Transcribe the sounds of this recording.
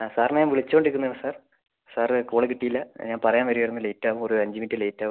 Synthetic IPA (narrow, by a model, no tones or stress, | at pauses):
saːrnaːnʋiɭit͡ɕːukoɳɖiɾikːunːɐɐɳɨsaːr | saːrkuːɭekiʈːijilːɐɲaːnpɐrɐjaːnʋɐɾijejɾunːɨlejtːaːʋumoɾuɐɲd͡ʑimitːɨle̞jtːaːʋ